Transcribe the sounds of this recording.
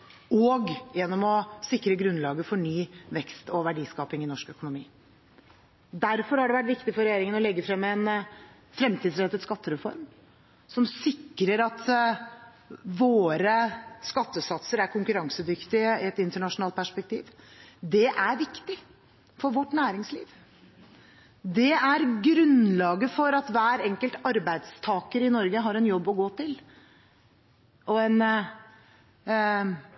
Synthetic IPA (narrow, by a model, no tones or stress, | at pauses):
ɔɡjɛnːɔmɔsɪkːɾəɡɾʉnlɑːɡəfɔɳyːʋɛkst̪ɔʋæɖiːskɑːpɪŋɪnɔʂkœkʊnʊmḭː | d̪æɾfɔɾhɑɖɛʋæʈ̬ʋɪkt̪ɪfɔɾɛjeːɾɪŋənɔlɛɡːəfɾɛmːɛn | fɾɛmt̪ʰiːd̪sɾɛt̪ːəd̪skɑt̪ːəɾɛfɔ̰ɾm | sɔmsɪkːɾəɾɑt̪ | ʋoːɾəskɑt̪ːəsɑt̪səɾæɾkʰʊŋkʉɾɑŋsəd̪ʏkt̪ɪɪɛt̪ɪnt̪əɳɑʂʊnɑlt̪̚pʰæʂpɛk̚t̪ʰḭːʋd̪ɛʔæɾʋɪkt̪ɪ | fɔɾʋɔʈːnæːɾɪŋslḭːʋ | d̪ɛæɾɡɾʉnlɑːɡəfɔɾɑt̪ʋæːɾɛŋkəlt̪ɑɾbæɪd̪st̪ʰɑːkəɾɪnɔɾɡəɦɑɾɛnjɔbːɔɡoːt̪ɪl | ɔɛn